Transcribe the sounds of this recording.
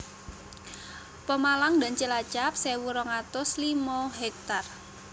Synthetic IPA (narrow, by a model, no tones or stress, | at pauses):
pəmalaŋd̪a̤nt͡ʃəlat͡ʃap̚sewuɾɔŋat̪ʊslimɔɦɛk̚t̪ar